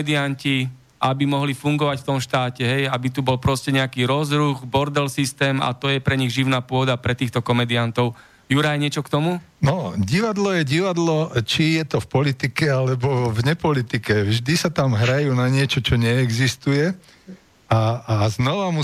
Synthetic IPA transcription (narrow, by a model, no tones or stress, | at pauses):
d̪ianci | ʔabimɔɦlifuŋɡɔʋacft̪ɔmʃt̪aːcɛɦɛjabit̪ubɔlpɾɔscɛɲɛakiːɾɔzɾuɣbɔɾd̪ɛlsist̪ɛːma̰t̪ɔjɛpɾɛɲiɣʒiʊnaːpʊɔd̪apɾɛt̪iːxt̪ɔkɔmɛd̪iant̪ɔʊ | juɾajɲɪɛt͡ʃɔkt̪ɔmu | nɔɟiʋad̪lɔjɛɟiʋad̪lɔt͡ʃijɛt̪ɔfpɔlit̪ikɛalɛbɔvɲɛpɔlit̪ikɛvʒd̪isat̪amɦɾajuːnaɲɪɛt͡ʃɔt͡ʃɔɲɛːɡzist̪ujɛ | aːznɔʋamu